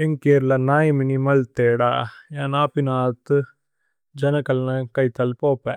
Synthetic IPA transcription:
eŋkeɾlɐnaːjɐminimɐlt̪eːɽa̰ːjaːnaːpinaːt̪ːɯ | d͡ʒɐnɐkɐlnɐkɐjt̪ːɐlpoːpːɛ̃ː

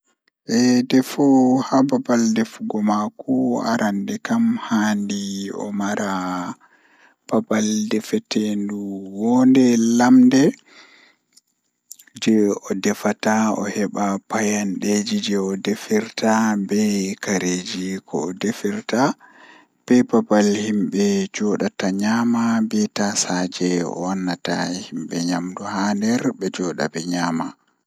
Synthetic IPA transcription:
ʔɛdɛfɔhababaldɛfuɡɔmakua̰ɾʔandɛkamhaːndiɔ̰maɾʔa | b̥abaldɛfɛtʰenduwɔndɛlamdɛ | d͡ʒɛɔdɛfataɔ̰hɛɓapajanɗed͡ʒid͡ʒɛɔdefiɾtabɛkaɾed͡ʒikʰɔ̰ːdefiɾta | b̥ɛbabalhimɓɛd͡ʒɔɗataɲaːmabɛtasaːd͡ʒɛɔ̰wanːata̰himɓɛɲamduhaːndɛɾbɛd͡ʒɔːɗa̰bɛɲaːma

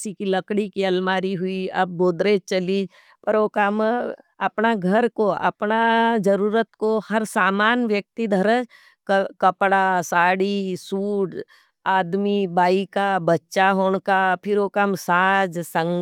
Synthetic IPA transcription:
sikilɐkɽikiɐlmaːɾiɦʊiɐb̚ːoːd̪ɾet͡ʃɐliːd͡ʒ | pɐɾoːkamɐpnaɡʱɐɾkoʔɐ̰pnad͡ʒɐɾuːɾət̪kohɐɾsaːmaːnʋjək̚t̪id̪ʱɐɾəd͡ʒ | kkɐpɽasaːɽisuːʈ | aːd̪mibaːikabɐtːʃaɦoːɳkapʰɪɾoːkamsaːd͡ʒsɐ̃ŋ

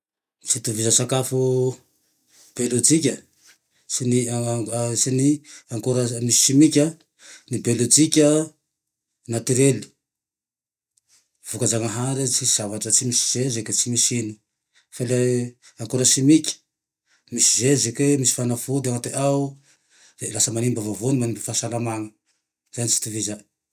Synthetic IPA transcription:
t͡sit̪uvizəsakafu | b̥elud͡zikʲə | sini | siniaŋkuɾəmisi̥ʃimikʲə | nibelud͡zikʲə | nat̪iɾeli̥ | v̥ukazaŋəɦaɾit͡siz̥avaʈ͡ʂət͡simisi̥z̥ezeket͡simisini̥ | fale | aŋkoɾəʃimikʲə̥ | misi̥zezekemisi̥fanafod̪aŋat̪eʔawu | elasəmanimbavavonimanimbəfaʃalamaŋə | zenit͡si̥t̪iviza

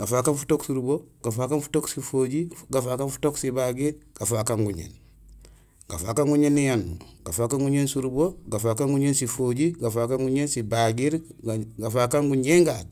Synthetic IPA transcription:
ɡ̥afaːkanfu̥toksuɾuboɡ̥afaːkanfu̥toksifoɟiɡafaːkanfu̥toksibaɡiɾɡ̥afakaŋɡuɲḛːn | ɡ̥a̰fakaŋɡuɲenːijanːṵɡ̥afaːkaŋɡuɲensuɾuboɡafakaŋɡuɲeːnsifoɟiɡafakaŋɡuɲensibaɡiɾɡafakaŋɡuɲeŋɡat̚

